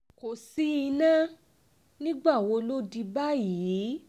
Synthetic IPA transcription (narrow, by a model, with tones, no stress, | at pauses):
ko˨si˨˦i˧nã˦ | nĩ˦ɡ͡ba˦˨wo˧˦lo˦di˧ba˦ji˨˦